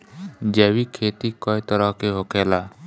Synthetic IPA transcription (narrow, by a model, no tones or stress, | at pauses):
d͡ʒɛːwikʰeːt̪ikɔjt̪əɾəɦkeɦokʰeːlaː